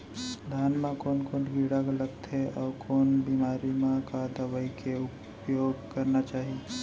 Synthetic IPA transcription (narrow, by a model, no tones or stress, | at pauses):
d̪ʱaːnmãkoːnkoːnbʱiɽaɡləɡ̚t̪ɦɛʔɔːɾkoːnbiːmaːɾimãkad̪əwəikeʊp | joːɡkɐɾnat͡ʃaːɦie